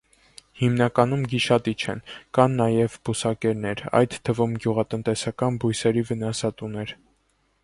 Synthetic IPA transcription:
himnɑkɑn̪umɡiʃɑt̪it͡ʃʰɛ̰nkɑnːɑjɛvbusɑkɛɾnɛɾɑ̰jd̪t̪ʰːəvumɡjuʁɑt̪ənt̪ɛsɑkɑnbujsɛɾivənɑsɑt̪unɛɾ

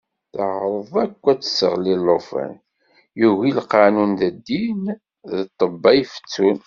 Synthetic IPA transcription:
θəʕɾˤəðˤækʷːæt͡sːə̥səʁlilːofə̰n | juɣilqɑnunðəd̪ːin | ðət̪ˤːəbːɑjfə̥t͡sːun

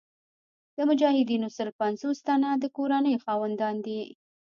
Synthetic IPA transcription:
d̪̥əmʊd͡ʒɑhɪd̪inosəɾpanzost̪anad̪əkoɾanəjxɑwand̪ɑnd̪i

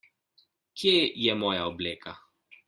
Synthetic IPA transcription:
kʰjejɛmɔːjaɔbleːkʰa

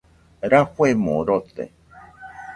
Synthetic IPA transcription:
ɾaɸʷemõ̰ɾot̪ḛ

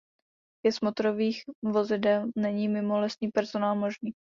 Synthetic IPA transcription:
jɛsmot̪ɾoviːxvo̞zɪdɛlnɛɲiːmɪmolɛst̪niːpɛɾzonaːlmoʒniː

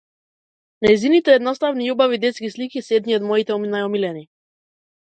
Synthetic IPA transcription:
najzinit̪ɛɛd̪nɔst̪avniɔbavid̪ɛt̪skislikisɛd̪niɔd̪mɔit̪ɛɔminajɔmilɛni

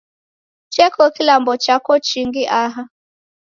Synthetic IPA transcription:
t͡ʃɛkɔkilambɔt͡ʃakɔt͡ʃiŋɡiʔaɦa

